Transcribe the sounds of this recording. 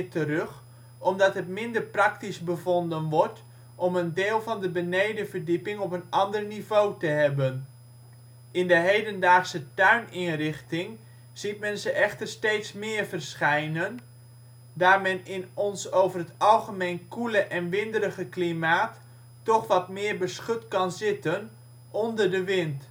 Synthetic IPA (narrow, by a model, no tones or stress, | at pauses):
tərøχ | ɔmdɑtɦətmɪndərprɑktisbəvɔndənʋɔɹt | ʔɔməndɪːlˠvɑndəbənejdəvərdipɪŋɔpənɑndərnivowtəɦɛbən | ɪndəɦejdəndaːχsətœɥnɪnrɪχtɪŋ | z̥it̚mɛnzəʔɛχtərstejtsmɪːɹvərsχɛjnən | daːɹmɛnɪnɔnsowvərɦətɑlˠχəmejnkuləʔɛnʋɪndəɾəχəklimaːtː | ɔχʋɑtmɪːɹbəsχɵtkɑnzɪtən | ɔndərdəʋɪnt